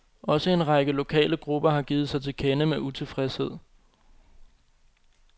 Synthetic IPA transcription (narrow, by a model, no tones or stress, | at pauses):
ʔɒ̽səe̝nʁɑ̈ɡ̥əlo̝kʰɛ̰ːləɡ̥ʁub̥ɐɦɑ̈ɡ̥iːð̩ˠsɑ̈ɪt͡sʰe̝lkʰenəmeʔut͡sʰe̝fʁɛshe̝ð̞̰ˠ